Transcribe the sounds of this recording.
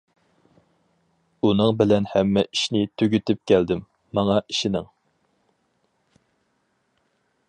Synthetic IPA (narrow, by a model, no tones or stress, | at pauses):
unɨŋbɪlɛnhɛmːɛʔiʃnɪt̪ʰøɡʲyt̪ɪp̚kʲæld̪ɪmː | ɑŋɑiʃinɪ̰ŋ